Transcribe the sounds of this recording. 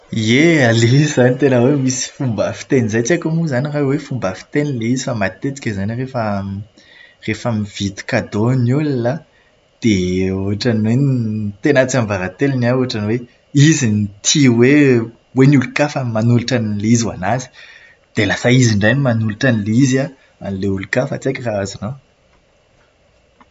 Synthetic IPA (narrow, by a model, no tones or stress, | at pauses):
ealez̥anit̪enəwemisi̥fumbafi̥t̪enizajt͡siakamuzanirawefumbafi̥t̪enileizi̥famat̪et͡si̥kʲəzanirefə | refamiv̥it̪i̥kad̪onulila | d̪̥euɦaʈ͡ʂaniwent̪enat͡siamvaɾat̪elinauɦaʈ͡ʂaniwe | izinit̪ʰiwe | wenulukafamimanuluʈ͡ʂanileizwa̰nazi̥ | d̪̥elasaiziɳɖ͡ʐajnimanuliʈ͡ʂanileiza | a̰nileulukafat͡sekʲraazuno